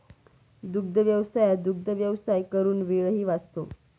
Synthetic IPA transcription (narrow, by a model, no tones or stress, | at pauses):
d̪uɡ̚d̪ʱəʋjəʋsajad̪uɡ̚d̪ʱəʋjəʋsajkəɾuːnʋeɭɦiːʋad͡zt̪o